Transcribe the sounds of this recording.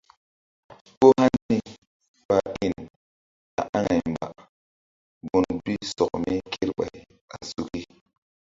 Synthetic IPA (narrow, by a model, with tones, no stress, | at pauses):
ko˦ha˦nːi˦ | pa˨ʔi˦˨n | a˨ʔa˦ŋa˨m˨ba̰˨ | bu˨nbi˦sɔ˨kmi˦kʰi˦ɾɓa̰˨j | a˨su˨ki˦